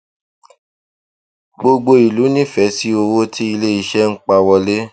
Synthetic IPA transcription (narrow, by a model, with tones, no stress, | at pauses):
ɡ͡bo˧ɡ͡bo˧i˨lu˨˦nĩ˦fɛ˨˦si˦o˧wo˦ti˦i˧le˦i˦ʃɛ˦ŋ̩˦k͡pa˧wɔ˧le˦